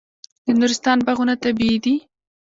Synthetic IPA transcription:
d̪̥ənuɾɪst̪ɑnbaɣunat̪abiid̪i

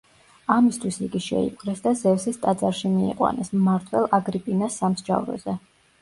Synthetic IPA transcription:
amist̪ʰwisiɡiʃɛ̰ḭpʼkʼɾɛsd̪azɛvsist̪ʼad̪zaɾʃimiḭqʼwa̰nɛsmaɾt̪ʰwɛlˠaɡɾipʼinasːamsd͡ʒa̰vɾɛ̰zɛ

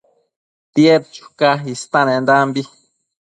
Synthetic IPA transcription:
t̪jet̪t͡ʃu̥kaist̪anẽnd̪ambi

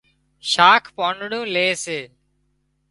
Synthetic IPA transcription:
ʃaːkʰpõːɳɖɽũːleːseː

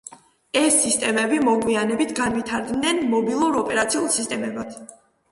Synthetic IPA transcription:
ɛsːist̪ʼɛmɛbimɔɡwianɛbit̪ʰɡanvit̪ʰaɾd̪nɛnmɔbilˠuɾɔpʼɛɾat̪sʰiulˠsist̪ʼɛmɛbat̪ʰ

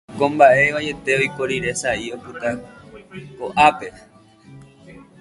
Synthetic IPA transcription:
kõ̞mbaʔe̞ʋaje̞t̪e̞ojkoɾiɾe̞saio̞pɨt̪a | ko̞ʔape̞

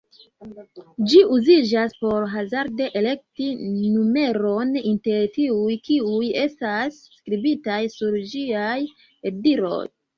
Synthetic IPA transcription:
d͡ʒiʔuzid͡ʒaspo̞ɾɦazaɾdeʔele̞k̚tinume̞ɾo̞ninte̞ɾtiujkiuje̞stasːkɾibitajsuɾd͡ʒiaj | ediɾo̞̰j

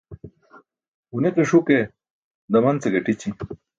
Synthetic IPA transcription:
uneqiʂuke | d̪ɐmɐnt͡seɡɐʈit͡ɕi

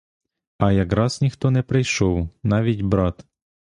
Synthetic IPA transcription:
ɐjɐkɾɑz̥nʲixt̪ɔnɛpɾɪjʃɔwnɑʋʲitʲbɾɑt̪

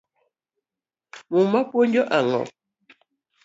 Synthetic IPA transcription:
mumapwoɲd͡ʒɔʔaŋɔ̰

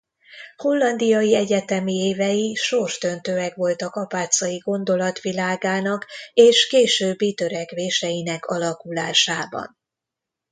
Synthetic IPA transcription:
ho̞lːɒnd̪ijɒjiɛɟɛt̪ɛmieːvɛjiʃo̞rʃd̪ø̞nt̪øːɛkʋo̞lt̪ɒkɒpaːt̪sɒjiɡo̞nd̪o̞lɒt̪ʋilaːɡaːnɒkeːʃkeːʃøːbːit̪øɾɛkʋeːʃɛjinɛkʰɒlɒkulaːʃaːbɒ̰n

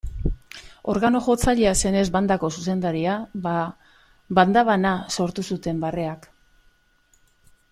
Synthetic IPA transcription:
o̞̰ɾɣano̞ʝo̞t͡saʎease̞ne̞zβand̪ako̞suse̞nd̪aɾiaa | band̪aβanaso̞ɾt̪usut̪e̞mbare̞ak

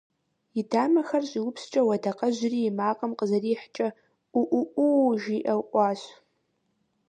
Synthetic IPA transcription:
idamaxarɕʷʼiupʰst͡ʃʼawadaqʼaʒʷriːmaqʼəmqʼəzariːħt͡ʃʼa | uʔuʔuʒiʔawʔʷʼaʃʷ

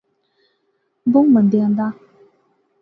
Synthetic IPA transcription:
boŋmənd̪ɛnd̪a

